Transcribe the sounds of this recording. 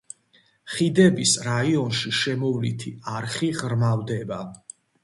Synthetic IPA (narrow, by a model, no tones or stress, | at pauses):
χid̪ɛbisɾaiɔnʃiʃɛmɔvlit̪ʰiaɾχiʁɾmavd̪ɛba